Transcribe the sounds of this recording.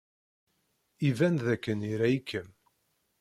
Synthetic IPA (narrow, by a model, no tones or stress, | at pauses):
ivænðækːəniɾæjikːəm